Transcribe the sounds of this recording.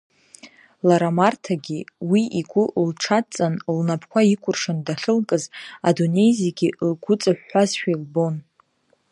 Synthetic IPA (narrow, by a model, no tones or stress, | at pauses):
laɾamartʰaɡʲiwiiɡʷʊʔlʈ͡ʂʰat͡sʼanlnapʰkʷaikʷʰʼʊrʂandaɬɨlkʼɨza̰done̞jzieɡʲilɡʷʊt͡sʼaħːazʃᶣailbo̞n